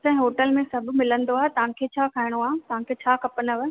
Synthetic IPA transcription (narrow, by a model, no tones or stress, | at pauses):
sɐ̃ɦɪ̃ɦoːʈəlmẽsɐbʱmɪlə̃nd̪oaːɦet̪ɐʋ̤ãkʰet͡ɕʰaːkʰaːɪɽ̃oaːɦẽt̪ɐʋ̤ãkʰet͡ɕʰaːkʰɐpnəʋ